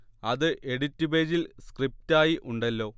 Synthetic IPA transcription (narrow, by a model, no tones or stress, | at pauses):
ɐðɨʔe̞ɽitːube̞ːd͡ʑilskrip̚taːjiʔuɳɖɐlːo̞ː